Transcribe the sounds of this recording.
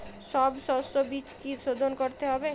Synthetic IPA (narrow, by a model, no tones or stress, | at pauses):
ʃɔbʃɔsobit͡ʃkiʃod̪ʱonkoɾt̪eɦɔbe